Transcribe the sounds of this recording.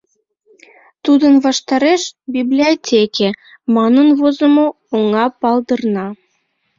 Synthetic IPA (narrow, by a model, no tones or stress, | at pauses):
t̪ud̪ənβɑʃt̪ɑɾeʃbiblʲiotʲekʲe | mɑnənβozəmo | oŋɑpɑld̪ərnɑ